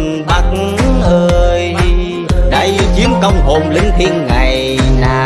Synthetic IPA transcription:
ɓa˦˥k̚ | ʔəː˧j | ɗə˧˩jzi˨˦əmkə˧wŋ͡mɦo˨˩mlï˧˦ŋ̟t̪ʰi˧ənŋa˨˩j | naː˨˧˩

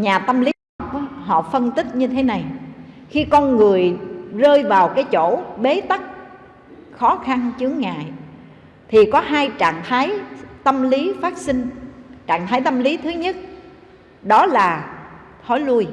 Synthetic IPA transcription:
ɲaː˨˩t̪ə˧mli˨˦˨p̚ɦɔ̰˧˨fə˧nt̪ï˦˥t̚ɲɨ˧t̪ʰe˨˦na˨˩jxi˧kɔ˧nŋɨ˨˩əjzəː˧jvaː˨˩wkaː˨˦jt͡ɕo̰˧˥ɓe˨˦t̪a˦˥k̚ | xɔ˨˦xa˧nt͡ɕɨ˨˦əŋːa̰ː˧˨j | t̪ʰi˨˩kɔ˨˦ɦaː˧jt͡ɕa̰ː˧˨ŋt̪ʰaː˨˦jt̪ə˧mli˨˦faː˦˥t̚sï˧ŋ̟t͡ɕa̰ː˧˨ŋt̪ʰaː˨˦jt̪ə˧mli˨˦t̪ʰɨ˨˦ɲə˦˥t̚ | ɗɔ˨˦laː˨˩ | t̪ʰɔ˨˦jlu˧əj

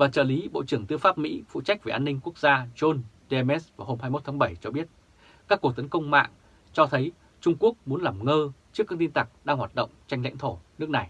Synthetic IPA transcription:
vaː˨˩t͡ɕəː˧˩li˨˦ɓo̰˧˨t͡ɕɨ˧˩əŋt̪ɨ˧əfaː˦˥p̚mḭ˧˥fṵ˧˨t͡ɕa˦˥jk̚ve˨˩ʔaː˧nːï˧ŋ̟ku˦˥ək̚zaː˧zo˧n | ɗe˧mɛ˦˥svaː˨˩ɦo˧mhaː˧jmo˦˥t̪ʰaː˨˦ŋɓə˧˩jt͡ɕɔ˧ɓi˦˥ət̚ | kaː˦˥kːu˨˩ək̚t̪ə˨˦nkə˧wŋ͡mma̰ː˧˨ŋ | t͡ɕɔ˧t̪ʰə˨˦j | t͡ɕʊ˧ŋ͡mku˦˥ək̚mu˨˦ənlaː˨˩mŋəː˧t͡ɕɨ˦˥kːa˧ŋt̪i˧nt̪a˨˩k̚ɗaː˧ŋhwaː˨˩t̚ɗə̰˧˨wŋ͡mt͡ɕa˧jŋl̰jŋ̟t̪ʰo˧˩nɨ˦˥ək̚na˨˩j

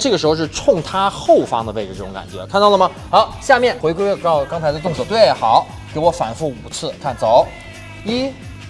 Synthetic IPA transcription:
ʈ͡ʂɤ˥˩ɡəʂɻ̩˧˥xo˧ʂɻ̩˥˩ʈ͡ʂʰʊ˥˧ŋt̪ʰa˥xo˥˩ʊfɑ̰˥ŋd̪ə˧we˥˧ɪʈ͡ʂ̩˨˩ʈ͡ʂɤ˥˩ʈ͡ʂʊ˧ŋka̰˨˩nt͡ɕɥɛ˧˥kʰnt̪ɑ˥˩lə˩mɐ˩ | xɑ˧˥ʊɕja˥˧mjɛ˥˩nxwe˧˥ɪkwe˥ɪwɛ˥˩kɑ˥˧kɑ˥ŋt͡sʰɪdə˧t̪ʊ˥˧ŋt͡swɔ˥˩t̪we˥˩ɪxɑ˨˩˦ʊ | ke˧˥ɪwɔ˧˥fa̰˨˩nfu˥˩u˨˩t͡sʰɹ̩˥˩kʰa˥˩nt͡so˨˩˦ʊ | i˥

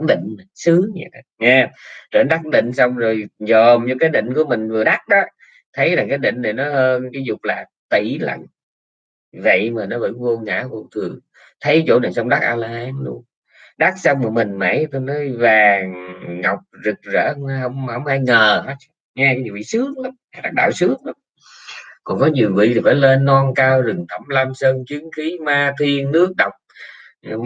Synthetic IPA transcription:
ɗḭ˧˨ŋ̟m˨˩sɨ˨˦ɲɛ̰˧˩˨ŋɛ˧t͡ɕəː˧˨˩n˦ɗa˦˥k̚ɗḭ˧˨ŋ̟sa˧wŋ͡mzo˨˩jzɔ˨˩mɲɨ˧kaː˨˦jɗḭ̈˧˨ŋ̟ku˧˩əmï˨˩ŋ̟vɨ˨˩əɗa˦˥k̚ɗɔː˨˦ | t̪ʰə˨˦jlaː˨˩kaː˨˦jɗḭ˧˨ŋ̟ɗe˨˩nɔ˨˦həː˧nkaː˨˦jzʊ˨˩k͡p̚laː˨˩ | t̪ḭ˧˩lə̰˧˨ŋ | və̰˧˨jmaː˨˩nɔ˨˦ɓə̰˧˩vu˧ŋa̰ː˧˥kʊ̰˧˩ŋ͡mt̪ʰɨ˨˩əŋ | t̪ʰə˨˦jt͡ɕo̰˧˩ɗḭ˧˨ŋsa˧wŋ͡mɗa˦˥k̚ʔaː˧laː˧haː˨˧˦nɗṵ˧ə | ɗa˦˥k̚sa˧wŋ͡mmɨ˨˩mï˨˩ŋ̟mḛ˧˥˦jt̪o˧jnɔ˨˦jvaː˨˩ŋːa˨˩wk͡p̚zɨ˨˩k̚zə̰ː˧˩˥wŋ͡mjhə˧wŋ͡mhə˧wŋ͡mhaː˧jŋəː˨˩ha˨˦˥ | ŋɛ˧a˧˦jɲi˨˩vḭ˧˨sɨ˨˦˥ək̚la˨˦ma˧˩ɗa˦˥k̚ɗa̰ː˧˨wsɨ˨˦˥əŋ̚la˨˦m | kɔ˨˩nkɔ˨˦ɲi˨˩əwvḭ˧˨t̪ʰi˨˩faː˧˩˦jle˧nːɔ˧nkaː˧wzɨ˨˩ŋt̪ʰə˧˩mla˧msəː˧nt͡ɕi˨˦əŋxi˨˦maː˧t̪ʰi˧ənːɨ˦˥ək̚ɗə˨˩wk͡p̚

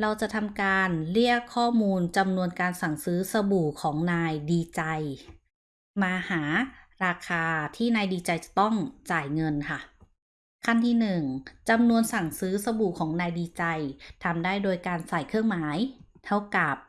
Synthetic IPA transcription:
ɾa˧wt͡ɕa˨˩t̪ʰa˧mkaː˧nli˥˩əkʰːɔː˥˩muː˧nt͡ɕa˧mnu˧ənkaː˧nsa˨˩ŋsɯː˨˦˥sa˧buː˨˩kʰɔː˩˦ŋnaː˧jdiː˧t͡ɕa˧j | maː˧haː˩˦ɾaː˧kʰaː˧t̪ʰiː˥˩naː˧jdiː˧t͡ɕa˧jt͡ɕa˨˩t̪ɔ˥˩ŋt͡ɕaː˨˩jŋɤ˧nkʰa˥˩ | kʰa˥˩nt̪ʰiː˧˥˩nɯ˨˩ŋt͡ɕa˧mnu˧ənsa˨˩ŋsɯː˨˦˥sa˧buː˨˩kʰɔː˩˦ŋnaː˧jdiː˧t͡ɕa˧jt̪ʰa˧mdaː˥˩jdoː˧jkaː˧nsaː˨˩jkʰɯ˥˩əŋmaː˨˩˦jt̪ʰa˥˩wka˨˩p̚

